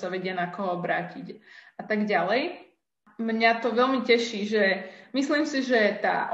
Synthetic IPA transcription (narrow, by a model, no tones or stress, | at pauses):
saʋɛɟɪanakɔɦɔɔbɾaːcicat̪aɡɟalɛj | mɲat̪ɔʋɛlmicɛʃiːʒɛmisliːmsiʒɛt̪a̰ː